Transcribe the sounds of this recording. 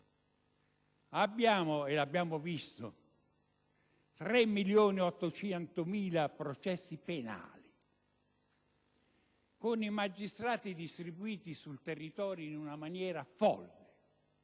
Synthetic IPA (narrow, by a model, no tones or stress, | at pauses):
abːjaːmʊelabːjaːmʊvist̪ʊ̰ | t̪ɾɛmːiljoːniɔt̪ːot͡ʃɛnt̪ʊmiːlapɾot͡ʃɛsːipena̰ːli | kʊnimad͡ʒːist̪ɾaːt̪id̪ist̪ɾibuiːt̪isult̪erːit̪ɔːɾjoinunamanjɛːɾafɔ̰lːɪ